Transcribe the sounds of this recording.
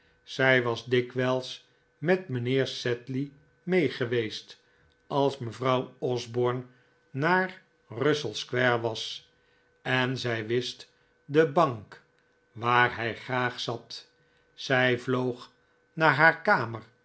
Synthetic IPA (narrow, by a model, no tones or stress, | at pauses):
sɛjʋɑzdɪkʋɛlˠs | mɛtmənɪːɹsɛtli | mejχəʋejst | ɑlˠsməvrɑwɔzbɔːɹnː | aːr | rɵsəlˠskʋɛɹʋɑs | ɛnzɛjʋɪst | dəbɑŋk | ʋaːrɦɛjχraːχsɑt | sɛjvlowχ | naːɹɦaːɹkaːmər